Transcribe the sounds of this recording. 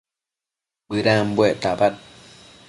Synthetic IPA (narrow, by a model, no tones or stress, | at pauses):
bɨɾambweʔt̪abat̚